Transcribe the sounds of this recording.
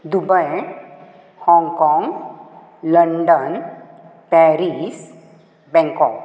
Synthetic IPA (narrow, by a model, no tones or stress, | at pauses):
d̪ubəj | hɔ̃ŋɡkɔ̃ŋɡ | ləɳɖən | pɛɾis | bɛ̃ŋkɔk